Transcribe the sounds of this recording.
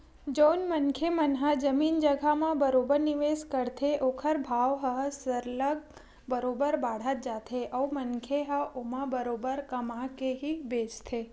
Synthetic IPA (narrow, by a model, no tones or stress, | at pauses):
d͡ʒonmənkʰemənɦəd͡ʒəmind͡ʒəɡʱamãbəɾobəɾniʋeskəɾt̪ʰeʔokʰəɾbʱaʋɦəsəɾləɡ̚ | bəɾobəɾbaɽ̤ət̪̚d͡ʒat̪ʰeʔəumənkʰeɦəomãbəɾobəɾkəmãkeɦibed͡ʒt̪ʰe